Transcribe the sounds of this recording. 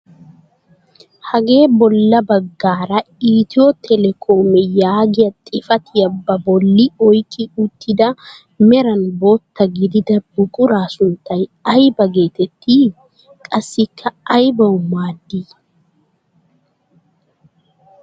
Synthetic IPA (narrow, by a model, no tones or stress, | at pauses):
hɐɡe̞ːbɔlːɐbɐɡːaːɾɐiːt̪ɪwot̪ʰɛlɛkʰoːmɛjaːɡɪjɐt̪ʼɪfɐt̪ɪjɐbːɐbɔlːɪɔjkʼːɪʊt̪ʰːɪd̪ɐ | mɛɾɐnbo̞ːt̪ːɐɡɪd̪ɪd̪ɐb̥ʊkʼʊɾaːsʊnt̪ːɐjɐjbɐɡe̞ːt̪ɛt̪ʰːi | kʼɐsːɪkʰːɐːjbɐwʊmaːd̪ːi